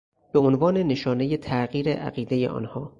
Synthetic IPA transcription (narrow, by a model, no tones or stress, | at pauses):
b̥e̞onvɒːne̞ne̞ʃɒːne̞je̞t̪ʰæɣiːɾeʔæ̰ɣiːd̪e̞je̞̰ʔɒ̰ːnhɒː